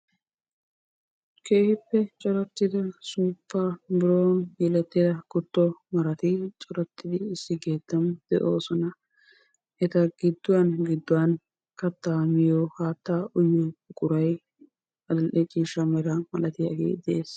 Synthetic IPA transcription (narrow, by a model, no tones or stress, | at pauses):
kʰe̞ːhɪpːɛt͡ʃʼɔɾɐt̪ːɪd̪ɐsuːpːabɪɾoːnjɛlɛt̪ːɪd̪ɐkʊt̪ːɔmɐɾɐt̪ɪt͡ʃʼɔɾɐt̪ːɪd̪ɪɪsːɪɡe̞ːt̪ːɐmd̪̥ɛʔo̞ːsɔnɐ | ʔɛt̪ɐɡɪd̪ːʊwɐnɡɪd̪ːʊwɐn | kɐt̪ːaːmɪjohaːt̪ːaʔʊjːɔʊkʼʊɾɐj | ɐd̪ɐlʔɛt͡ʃʼiːʃɐmɛɾɐmɐlɐt̪ɪja̰ːɡḛːd̪ɛeːs